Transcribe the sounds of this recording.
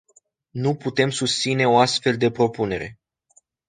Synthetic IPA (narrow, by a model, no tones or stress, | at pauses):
nuput̪e̞msust̪sine̞o̞ast̪fe̞ld̪e̞pɾo̞pune̞ɾe̞